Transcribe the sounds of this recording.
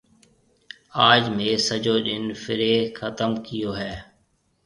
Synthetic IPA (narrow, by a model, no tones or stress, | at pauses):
aːd͡ʒmẽːsəd͡ʒoːɗɪnfɪɾeːxʰət̪əmkɪjoːɦɛː